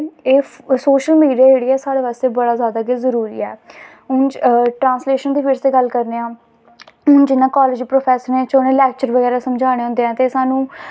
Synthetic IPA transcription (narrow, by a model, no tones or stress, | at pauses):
eː | soːʃəlmiːɖiaːd͡ʒeːɽiːaɛːsaːɽeːʋaːst̪eːbəɽaːzjaːd̪aːkezəɾuːɾḭːɛː | ɦʊnt͡ʃʈɾãːnsleːʃənd̪iːpʰɪɾseːɡəlkəɾneːãː | nd͡ʒɪnːãːkɔːləd͡ʒiːpɾoːpʰɛːsəɾnẽːt͡ʃonẽːlɛːk̚t͡ʃəɾʋəɡɛːɾaːsəmd͡ʒaːɽ̃eːɦʊ̃nd̪eːɛ̃ːt̪eːsaːnũː